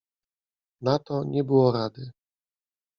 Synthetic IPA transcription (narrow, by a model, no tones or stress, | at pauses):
nat̪ɔɲɛbɘwɔɾad̪ɘ